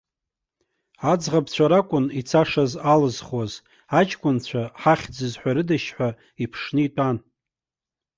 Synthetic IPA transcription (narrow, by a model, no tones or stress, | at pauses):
ad͡zʁabt͡ɕʷʰaɾakʷʼʊnit͡sʰaʂazalɨzχwaz | at͡ʃʼkʷʼʊnt͡ɕʷʰaħaχʲd͡zɨzħʷᶣaɾɨdaʃħʷᶣa | ipʰʂnɨitʷʼan